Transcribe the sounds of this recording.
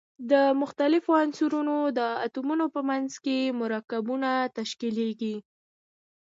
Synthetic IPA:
d̪əmʊxt̪alɪfoansuɾunod̪əat̪umunopəmanzkemʊɾɑkabunat̪aʃkileɡi

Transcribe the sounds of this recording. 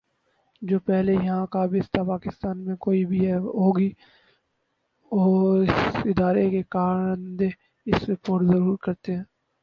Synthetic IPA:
d͡ʒoːpɛɦlejɐɦãkabʱiɪst̪apaːkɪst̪aːnmẽkoːibʱiɦɛɦoːɡiː | ɔːɾɪsɪd̪aːɾekekaːɾənd̪e | ɪsepoːʈzɐɾuːɾkɐɾt̪eɦɛ̃ː

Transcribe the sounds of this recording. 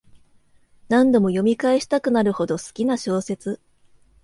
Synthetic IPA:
nãnd̪o̞mo̞jo̞mʲikaeɕi̥t̪akɯ̟naɾɯ̟ho̞d̪o̞sɨ̥kʲinaɕo̞ːse̞t͡sɨ

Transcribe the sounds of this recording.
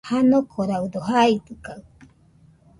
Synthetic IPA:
hanokʰoɾaudoɦait̪ɨka

